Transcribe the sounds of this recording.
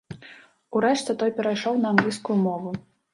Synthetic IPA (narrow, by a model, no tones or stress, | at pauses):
uɾɛʂt͡sʲɛt̪ɔjpʲɛɾajʂɔwnɐamɡlʲiskʊjumɔvu